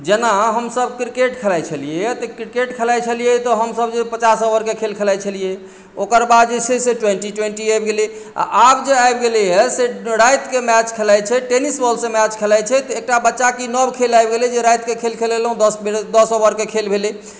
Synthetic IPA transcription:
d͡ʒenaɦəmsəbkɾikeʈkʰelajt͡ʃʰəlijeɛt̪ɔkɾikeʈkʰelajt͡ʃʰəlijet̪ɔɦəmsəbd͡ʒepət͡ʃasoʋəɾkekʰelkʰelajt͡ʃʰəlije | okəɾbad̪d͡ʒeseseʈweɳʈiʈweɳʈiajbɡeli | a̰ʔabd͡ʒeajbɡelijɛseɾajt̪kemɛt͡ʃkʰelajt͡ʃʰɛʈenisbəlsẽmɛt͡ʃkʰelajt͡ʃʰɛt̪ɔek̚ʈabətːʃakinəbkʰelajbɡelid͡ʒeɾajt̪kekʰelkʰelelɦũd̪əsbed̪əsobəɾkekʰelbʱeli

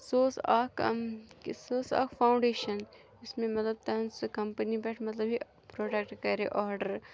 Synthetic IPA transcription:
soːsaːk | soːsa̰ːkfʰaːwʊ̃ɳɖeːʃɐn | ɪsmẽmɐt̪lɐb̚t̪ɐnskɐmpənibɛːʈʰmɐt̪ləbɦi | pɾoːʈeːk̚ʈkɐɾeʔɔːɾɖəɾ

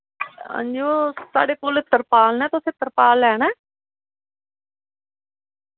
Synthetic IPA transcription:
ə̰̃nd͡ʒosa̰ːɽeːkoːlɪt̪ːəɾpaːlnɛ̃ːt̪ʊseːt̪əɾpaːlɛːnɛ̃ː

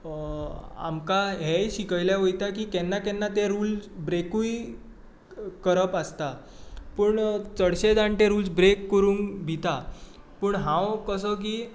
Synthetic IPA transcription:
a̰mkaɦeɕikəjljaʋəjt̪akiːkɛnːakɛnːat̪eɾuːlsbɾekuj | kəɾəpəst̪a | pəːɳt͡səɽɕed͡zaɳʈẽɾuːlsbɾekːəɾuːnbʱit̪a | pəːɳɦãwkəsək̬iː

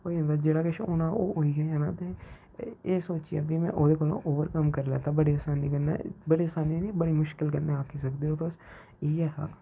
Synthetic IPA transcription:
koːiːɦə̃nd̪aːd͡ʒeːɽaːkɪʃonãːʔoːoːiːɡɛaːnaːt̪eː | eːsoːt͡ʃija̰ːbimɛ̰̃ːʔoːd̪eːkoːlõ̰ːʔoːʋəɾkəmkəɾlɛ̰ːt̪aːbəɽeːəsaːniːkənːḛːbəɽiːəsaːniːniːbəɽiːmʊʃkɪlkənːeaːkʰiːsəkd̪eːoːt̪oːs | iːɛːɦaː

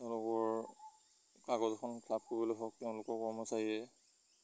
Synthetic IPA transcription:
tɛʊ̃lʊkɔɹ | kaɡɔzɔkʰɔnpʰlab̚koɹibɔlojɦɔk̚tɛʊ̃lʊkɔɹkɔɹmɔsaɹiɛ

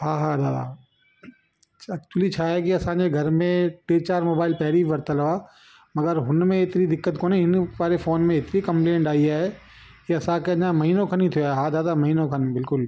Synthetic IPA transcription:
ɦãːɦãd̪aːd̪a̰ | ɐkt͡ʃʊwəlit͡ɕʰaɦɛkiɐsãːɲd͡ʑeɡʱɐɾmẽʈeːt͡ɕaːɾmoːbaːɪlpɛɦɾiʋɐɾt̪əlɐʋa | mɐɡəɾɦʊnmẽɪt̪ɪnid̪ɪkːət̪koːneɪnʋaːɾefoːnmẽɪt̪ɪnikɐ̃mplẽːɳʈaːiaːɦɛ | kiɐsãkeɐ̃ãmɐɦiːnokʰɐnit̪ʰijoeɦãd̪aːd̪amɐɦiːnõkʰɐnbɪlkʊl

